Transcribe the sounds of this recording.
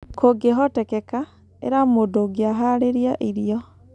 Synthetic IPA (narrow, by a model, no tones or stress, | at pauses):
kʰoɡeɦɔtɛkɛka | ḛɾamodoɡeaɦaɾeɾiaʔiɾiɔ